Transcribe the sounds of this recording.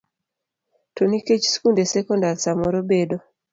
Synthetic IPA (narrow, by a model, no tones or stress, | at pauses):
toniket͡ʃskundesɛkɔndaɾsamɔɾobedo